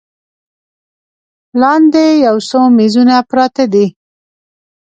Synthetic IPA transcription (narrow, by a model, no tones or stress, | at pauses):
lɑnd̪ejawsomizunapɾɑt̪ad̪i